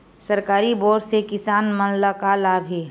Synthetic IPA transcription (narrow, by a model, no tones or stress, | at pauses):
səɾkaːɾiboːɾsekɪsaːnmənlakalaːbʱi